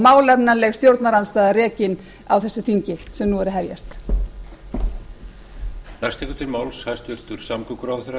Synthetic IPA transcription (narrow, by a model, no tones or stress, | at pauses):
maːwlɛpnanlɛɣst̪jowɾt̪naɾanst̪aːðarɛːcɪn | awθɛsːʏθiɲcɪsɛmnuɛɾʏɦɛvja̰st̪ | najst̪ɛkʏt̪ʰɪlmaːwlshajst̪ʏr̥t̪ʏɾ̥samkʏkʏɾawθʏɾa